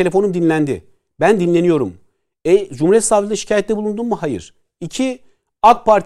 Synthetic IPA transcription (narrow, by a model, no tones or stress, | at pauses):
ee̞fo̞numd̪inlʲænd̪ɪ | bænd̪inlʲe̞nijo̞ɾum | ɛd͡ʒumuɾjɛt̪saːvilʲiʃi̥cʰaːjɛt̪lʲɛbulˠund̪unmuhajɯ̰ɾ̥ | icʰi | akpʰaɾt̪ʰ